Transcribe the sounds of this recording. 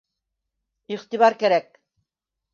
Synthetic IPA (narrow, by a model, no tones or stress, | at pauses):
iχt̪iβɑɾkæɾæk̚